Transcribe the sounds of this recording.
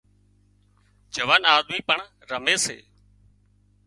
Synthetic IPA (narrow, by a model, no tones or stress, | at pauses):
d͡ʒəʋaːnaːd̪miːpəɳ | ɾəmeːsḛː